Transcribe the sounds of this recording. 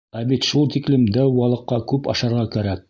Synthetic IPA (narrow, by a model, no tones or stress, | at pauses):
æbit̪ʃulˠt̪iklɘmd̪æwwɑlˠɤ̆qːɑkʉpɑ̰ʃɑɾʁɑkæɾæk̚